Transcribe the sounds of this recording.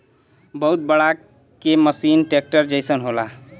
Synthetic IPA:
bəɦut̪̚bəɽa | keməsinʈek̚ʈəɾd͡ʒəɪsənɦola

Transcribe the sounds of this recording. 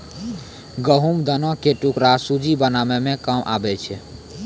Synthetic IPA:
ɡəɦumd̪ənɔ̃keʈukɾasud͡ʒibənamemẽkamʔa̰bɛt͡ʃʰɛ

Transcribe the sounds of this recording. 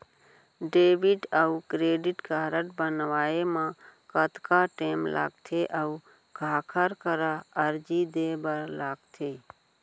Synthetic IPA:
ɖeːbiʈəukɾeːɖɪʈkaːɾəʈbənʋaːemãkət̪kaʈeːmlʔa̰ːɡt̪ʰeʔəu | kʰaːkʰəɾkəɾaəɾd͡ʒid̪ebəɾlaːɡt̪ʰe

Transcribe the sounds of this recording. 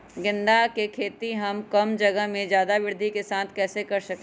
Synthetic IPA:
ɡɪ̃nd̪akekʰeːt̪iɦɐmkɐmd͡ʒɐɡəɦmẽd͡ʒjaːd̪aʋɪɾd̪ʱikesãːt̪ʰkɛːsekɐɾsɐk

